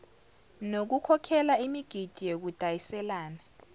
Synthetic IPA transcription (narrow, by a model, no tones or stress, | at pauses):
nok̬ukʰɔkʰɛlaimiɡ̥ʱid̥ʱijek̬ud̥ʱajisɛlaːna